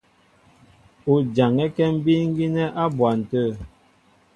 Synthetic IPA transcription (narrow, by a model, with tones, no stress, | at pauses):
u˨d͡ʒa˨ŋɛ˦kɛ˦m̩˦bi˦ŋ̩˦ɡi˦nɛ˦ʔa˦bwa˨n̩˨tə˦˨